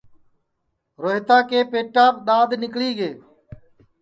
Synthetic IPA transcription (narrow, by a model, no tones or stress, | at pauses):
ɾoːɦt̪aːkeːpeːʈːaːpɗ̪aːd̪nɪkliːɡeː